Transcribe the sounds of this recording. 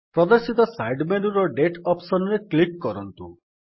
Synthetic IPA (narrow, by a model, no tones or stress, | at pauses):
pɾɔd̪ɔɾsit̪ɔsajɖmenuɾɔɖeʈʰɔpsɔnɔɾeklikːɔɾɔnt̪ṵ